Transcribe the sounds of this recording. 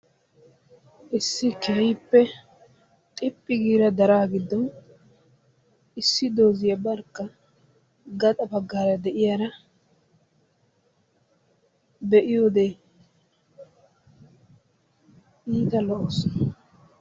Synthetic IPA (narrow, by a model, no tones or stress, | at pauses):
ʔɪsːɪkɛɪpːɛ | t̪ʼɪpʼːɪɡiːɾɐd̪ɐɾaːɡɪd̪ɔ | ɪsːɪd̪o̞ːzɪjɐbɐɾkːɐ | ɡɐt̪ʼɐbɐɡːaːɾɐd̪ɛʔɪjaɾɐ | bɛʔɪjoːd̪e | ʔiːt̪ɐlɔʔoːsɔnɐ